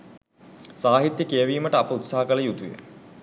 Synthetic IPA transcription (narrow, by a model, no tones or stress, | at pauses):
saːɦit̪jəkejəʋiːməʈəapəut̪saɦɐkɐləjut̪ujə̰